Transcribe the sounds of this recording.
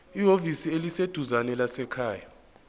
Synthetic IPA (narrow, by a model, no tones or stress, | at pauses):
iɦovisielised̥ʱuzanɛlasɛkʰaːja